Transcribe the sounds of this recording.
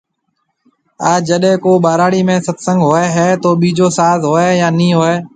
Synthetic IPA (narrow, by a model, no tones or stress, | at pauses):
aːd͡ʒəɗɦẽːkoːɓaːɾaːɽiːmẽːsət̪sə̃ŋɡɦoːeːɦɛːt̪oːɓiːd͡ʒoːsaːzɦoːeːjaːnĩːɦoeː